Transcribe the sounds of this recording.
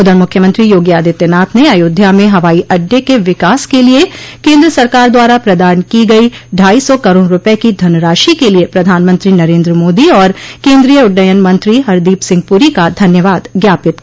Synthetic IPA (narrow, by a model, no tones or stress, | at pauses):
ʊd̪əɾmʊkʰːjəmə̃nt̪ɾijoːɡjaːd̪ɪt̪ːənaːt̪ʰneaːjoːd̪ʱjamẽɦɐʋaːiʔɐɖjekeʋɪkaːskeliekẽːnd̪ɾəsɐɾkaːɾd̪waːɾapɾɐd̪aːɾənkiɡɐiɖʱaːisɔkɐɾoːɽɾʊpekid̪ʱɐnɾaːʃikeliepɾɐd̪ʱaːnmə̃nt̪ɾinɐɾẽːnd̪ɾəmoːd̪iɔːɾkẽːnd̪ɾijəʊɖːəjənmɐ̃nt̪ɾiɦɐɾd̪iːpsɪ̃ŋɡ̚puɾikad̪ʱɐnjəʋaːd̪ɡjaːpɪt̪̚